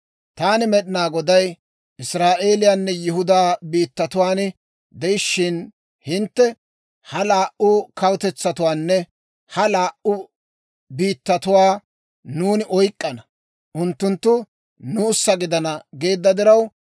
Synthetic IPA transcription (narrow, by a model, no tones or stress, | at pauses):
t̪aːnɪmɛɗɪnaːɡɔd̪ɐj | ʔɪsɾaːʔe̞ːlɪjaːnːɛjɪɦʊd̪aːbiːt̪ːɐt̪ʊwaːn | d̪ɛjɪʃːɪn | hɪnt̪ːɛ | hɐlaːʔʊkɐwt̪ɛt͡sːɐt̪ʊwaːnːɛ | hɐlaːʔʊ | biːt̪ːɐt̪ʊwaː | nuːnɪʔɔjkʼːɐnɐ | ʔʊnt̪ːʊnt̪ːʊ | nʊːsːɐɡɪd̪ɐnɐɡe̞ːd̪ːɐd̪ɪɾɐw